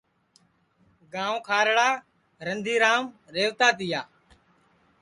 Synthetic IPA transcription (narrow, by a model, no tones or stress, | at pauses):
ɡãːõːkʰaːɾɽaː | ɾənd̪ʱiːɾaːmɾeːʋt̪aːt̪ɪjaː